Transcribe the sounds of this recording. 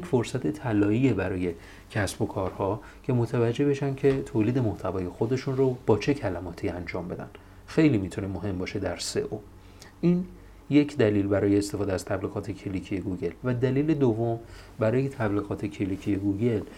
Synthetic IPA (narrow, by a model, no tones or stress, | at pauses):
jecfo̞ɾsæt̪ʰet̪ʰælɒːiebæɾɒːje̞ | cʰæsbo̞kʰɒːɾhɒː | cʰe̞mot̪ʰævæd͡ʒːe̞hbe̞ʃænd̪cʰe̞t̪ʰoːliːd̪e̞moht̪ʰævɒːje̞xo̞d̪e̞ʃunrob̥ɒːt͡ʃʰe̞cʰælæmɒːt̪ʰiænd͡ʒɒːmbe̞d̪æ̰n | xe̞jlimit̪ʰune̞moɦe̞mbɒːʃe̞d̪æɾse̞̰ʔo | ʔin | je̞cʰd̪æliːlbæɾɒːjeːst̪efɒːd̪æz̥t̪ʰæbliːɣɒːt̪ʰecʰelicʰijeɡuɟe̞lvæd̪æliːle̞d̪ovːo̞m | bæɾɒːje̞t̪ʰæbliːɣɒːt̪ʰe̞cʰelicʰijeɡuɟe̞l